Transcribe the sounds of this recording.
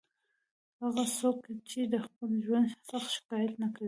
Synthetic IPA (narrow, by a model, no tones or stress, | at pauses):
haɣasokt͡ʃed̪əqʊnʒwansaxʃɪ̥kɑjat̪nakla